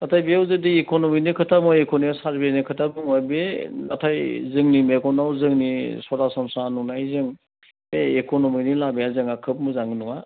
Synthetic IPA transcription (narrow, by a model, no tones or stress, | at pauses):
natʰajbeawzɯdiekonominikʰɯtʰamɔjekoniasaɾbenikʰɯtʰabɯŋɔjbenatʰajzɯŋnimekɔnawzɯŋnisɔɾasɔmsanunajzɯŋ | eekonominilabejazɯŋakʰɯp̚mɯzaŋinuŋa